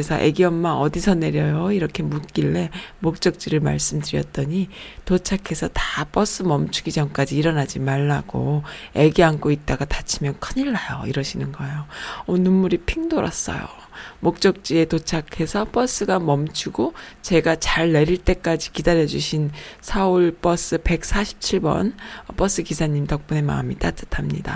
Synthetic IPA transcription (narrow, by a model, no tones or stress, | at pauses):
esʰʌʔḛɡiʌmːaʌdisʰʌne̞ɾjʌjoiɾʌkʰe̞mut̚k͈iɭːe̞mok̚t͡ɕ͈ʌk̚t͡ɕ͈iɾɯɭma̰ɭs͈ɯmdɯɾijʌ̰t̚t͈ʌɲitot͡ɕʰakʰe̞sʰʌtap͈ʌs͈ɯmʌmt͡ɕʰuɡid͡ʑʌmk͈ad͡ʑiːɾʌnad͡ʑimaɭːaɡ̥o̰e̞ɡiankʰoit̚t͈aɡatat͡ɕʰimjʌnkʰɯɲiɭːajo̰iɾʌɕʰinɯnɡʌejoʌnumːuɾipʰiŋdoɾa̰s͈ʌ̰jo̰ | mok̚t͡ɕ͈ʌk̚t͡ɕ͈ie̞tot͡ɕʰakʰe̞sʰʌp͈ʌs͈ɯɡamʌmt͡ɕʰuɡot͡ɕe̞ɡat͡ɕaɭːe̞ɾiɭt͈e̞k͈ad͡ʑikidaɾjʌd͡ʑuɕʰinsʰʌuɭp͈ʌs͈ɯpe̞k̚sʰaɕʰi̥p̚t͡ɕʰiɭbʌ̰nʌp͈ʌs͈ɯkisʰaɲimtʌk̚p͈une̞ma̰ɯmit͈at͈ʰḁtʰamɲḭda̰